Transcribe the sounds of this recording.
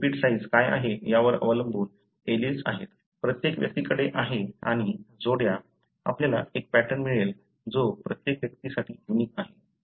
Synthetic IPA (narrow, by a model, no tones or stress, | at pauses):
piʈsaid͡zkaja̰ɦejaʋəɾə̰ʋələmbuːn | elit͡sa̰ɦet̪ | pɾət̪jekʋjə̰k̚t̪ikəɽeʔaɦea̰ɽ̃id͡zoɽja | a̰pnjalaek̚pæʈənmiɭel | d͡zopɾət̪jekʋjək̚t̪isaʈʰiːunikaɦe